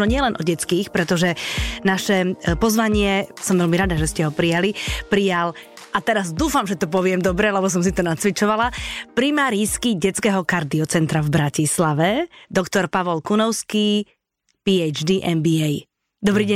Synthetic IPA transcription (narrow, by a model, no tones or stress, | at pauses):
ɔɲɪɛlɛnʔɔɟɛt͡skiːxpɾɛt̪ɔʒɛnaʃɛpɔzʋaɲɪɛsɔmʋɛlmiɾad̪aʒɛscɛɦɔpɾijalipɾijal | ʔat̪ɛɾazd̪uːfamʒɛt̪ɔp̬ɔʋɪɛmd̪ɔbɾɛlɛbɔs̬ɔms̬it̪ɔnat͡sʋit͡ʃɔʋalapɾimaːɾiːskiɟɛt͡skɛːɦɔkaɾd̪iɔt͡sɛnt̪ɾavbɾacislaʋɛd̪ɔkt̪ɔɾpaʋɔlkunɔʊskiː | piɛjd͡ʒd̪iʔɛnbiɛj | d̪ɔbɾiːɟɛ